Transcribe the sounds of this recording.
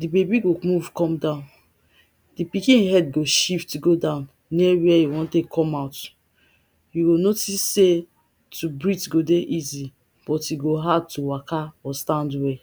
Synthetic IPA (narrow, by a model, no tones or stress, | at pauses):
dibebiɡomuvkɔ̃mdãʊ̃n | dipikĩnĩɦɛdɡoʃiftɡodãʊ̃n | niwiɛiwɔ̃ntekʰɔ̃maʊt | jiɡonotisːe | tʰubɹitɡodeʔizi | b̥ɔtiɡoɦad̚tuwakʰaɔstãndwɛ